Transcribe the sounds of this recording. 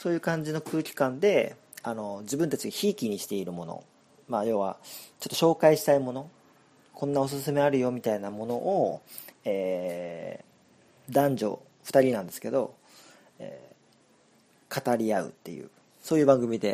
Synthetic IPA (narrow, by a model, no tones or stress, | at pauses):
so̞ːjɯ̟ːkãɲ̟d͡ʑino̞kɯ̟ːkʲi̥kãnd̪e̞ | ano̞d͡ʑibɯ̟̃nt̪at͡ɕiɡaçiːkʲiɲ̟iɕi̥t̪e̞iɾɯ̟mo̞no̰ | majo̞ːβa̰t͡ɕo̞t̪ːo̞ɕo̞ːkaiɕi̥t̪aimo̞no̞ | kʰõ̞nːao̞s̬ɨsɨme̞aɾɯ̟jo̞mʲit̪ainamo̞no̞ʔːeː | d̪ãɲd͡ʑo̞̰ | ɸɯ̥t̪aɾʲinãnd̪e̞sɨ̥ke̞d̪o̞ | ḛː | kat̪aɾʲiaɯ̟̰t̪ːe̞̰jɯ̟̰ː | so̞ːjɯ̟ːbãŋɡɯ̟mʲid̪e̞